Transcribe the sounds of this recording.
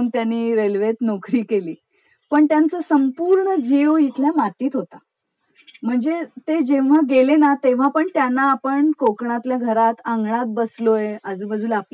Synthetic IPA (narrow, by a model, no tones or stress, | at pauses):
nt̪janːiːɾelʋet̪nokɾiːkeliː | pəɳt̪jant͡səsəmpuːɾɳəd͡ʑeʋit̪ljamat̪iːt̪ɦot̪a | m̤əɳd͡zet̪ed͡ʑeʋ̤aɡelenat̪eʋ̤apəɳt̪janːaːpəɳkokɳãt̪ljaɡʱəɾat̪ãŋɡɳat̪̚bəslojeəd͡zuːbəd͡zʱuːlap